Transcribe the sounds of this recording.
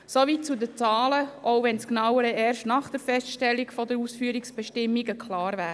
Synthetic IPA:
sovit͡sud̪ət͡sɑːləʔoʊvɛnsknɑwəɾəɛːɾʃtnɑχd̥əɾfɛstʃtɛlːiɡfɔdəɾuːsfyːɾiksb̥ɛʃtɪmːiɡəkʰlɑːɾvæːə

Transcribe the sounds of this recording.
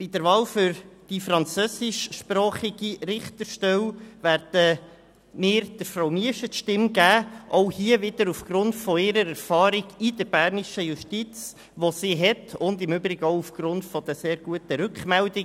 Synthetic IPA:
b̥id̥əɾvɑːlfʏɾd̥ifɾɑnt͡søːsɪʃʃpɾɑːχiɡiɾɪχt̪əɾʃtɛwʋæːɾd̥ə | mɪːɾd̥əɾfɾawmiəʃətʃtɪmɡæːʔɔʊhiəvɪd̥əɾufɡ̥ɾʊnd̥fɔɪɾəɾɛɾfɑːɾiɡ̥id̥əɾbæːɾniʃəjuʃtit͡s | ʋɔsiːɦɛtʰʊndɪmʉbɾɪɡəɔʊufɡ̥ɾʊnd̥fɔd̥̪əseːɾɡ̥uətəɾʏkχmɛldɪ

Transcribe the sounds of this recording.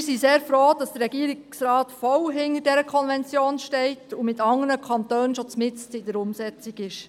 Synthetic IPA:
ɪsiseːɾfɾoːd̥ɑsd̥əɾɛɡiəɾisrɑːtfɔlɦɪnəɾdɛɾəkʰɔnvɛnt͡sjoːnʃtɛɪtʰumɪtɑŋənəkʰɑntøːnnʃot͡smɪt͡stɪdəɾʊmsɛt͡siɡɪʃ

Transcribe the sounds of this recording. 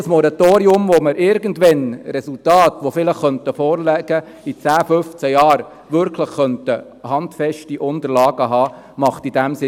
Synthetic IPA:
əsmɔɾɑt̪oːɾiʊmʋoməɾʔɪɾɡəndʋɛnrɛsultɑːtʋofɪləχːœntəfɔːɾlɛɡ̥ə | it͡sæːfʏft͡sæjɑːɾ | ʋʏɾkʰləχːœntə | hɑndfɛʃtiʔʊndəɾlɑːɡ̥əɦɑː | mɑχtid̥æmsɪ

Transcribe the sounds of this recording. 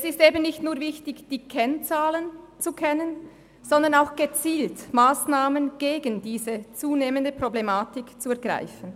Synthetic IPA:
ɛsɪsteːbn̩nːɪçtnuːɐvɪçtɪçd̥iːkʰɛnt͡saːlənt͡sukʰɛnən | z̥ɔnd̪ɐnaʊxɡ̥ət͡siːltmaːsnaːmənɡ̥eːɡəndiːzət͡suːneːməndəpʁ̥oblemaːtɪkt͡suɛɐɡʁa̰ɪfən̩

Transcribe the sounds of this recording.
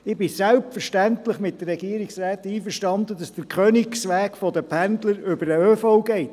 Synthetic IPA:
ɪbɪsɛlp̚tfəɾʃtæntləχmɪt̚dəːɛɡiəɾiksɾæːt̪iːfəɾʃtɑnd̪ədɑsd̥əɾkʰœnɪksʋæːkfɔd̪əpʰændləɾʏbəɾəøfoʊɡɛɪt̪

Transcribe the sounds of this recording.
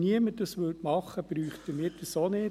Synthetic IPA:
niəməd̥ɑsʋɵlt̪mɑχːəb̥ɾyːχtəmɪɾdəsonɪ

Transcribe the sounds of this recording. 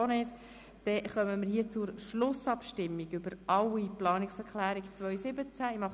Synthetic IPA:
onɪːd | d̥ɛχœməməɾhiːət͡sʊɾʃlʊsɑpʃtɪmːiɡʏbəɾʔɑwiplɑːnɪksɛɾklæːɾikt͡svœʏsɪbət͡sæimɑχ

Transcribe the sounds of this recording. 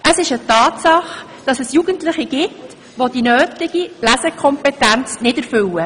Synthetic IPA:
ʔəsɪʃətɑːtsɑχ | d̥ɑsɛsjuɡ̥əntlɪχiɡ̥ɪt | ʋod̥inøːtɪɡ̥ilæzəkʰɔmpɛtænt͡snɪdəɾfʏlə

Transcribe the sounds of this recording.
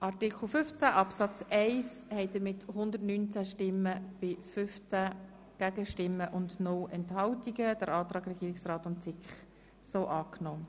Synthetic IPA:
ʔɑʁtɪkχl̩fʏft͡sæʔɑpsɑt͡sɛɪshɛɪdəmɪthʊnd̪əɾtnyːnt͡sæʃtɪmːəb̥ɪfʏft͡sæ | ɡ̥æɡəʃtɪmːəʔʊndnʊlɛnthɑwtiɡəd̥əɾɑːt̪ɾɑːɡɾɛɡiːɪksrɑːtʊntt͡sɪkχ | soːʔɑːknɔː

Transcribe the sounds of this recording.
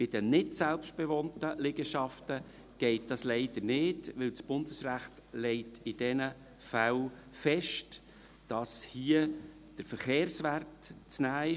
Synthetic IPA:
b̥ɪd̥ənɪtsɛlpʃt̚b̥ɛvɔntəlɪɡəʃɑftə | ɡ̥ɛɪt̚d̥ɑsleɪd̥əɾnɪdʋɪlsb̥ʊndəsɾæχt | lɛɪtɪd̥ɛnə | fæl | fɛʃt | d̥ɑshiə | d̥əɾfəɾχeːɾsværtt͡snæːɪ

